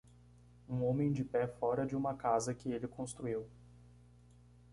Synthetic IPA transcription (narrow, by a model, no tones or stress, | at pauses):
ũõmẽj̃d͡ʒɪpɛfɔɾɐd͡ʒɪũmɐkazɐkɪelɪkõst̪ɾuiw